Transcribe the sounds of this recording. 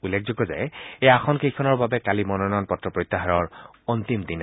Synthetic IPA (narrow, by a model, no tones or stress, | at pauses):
ulːek̚ʰzɔɡɔza̰jejaaxʰɔnkejkʰɔnɔɹbabɛkalimɔnɔnɔnpɔtːɹɔpɹɔjt̪ːaɦaɹɔɹ | ɔnt̪imd̪in